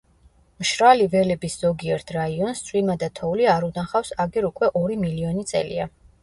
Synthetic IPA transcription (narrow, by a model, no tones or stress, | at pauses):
mʃɾalivɛlɛbisz̥ɔɡiɛɾt̪ʰɾaiɔnst̪sʰʼwimad̪at̪ʰɔuliaɾunaχafsaɡɛɾukʼwɛʔɔɾimiliɔnit̪sʼɛ̰lḭa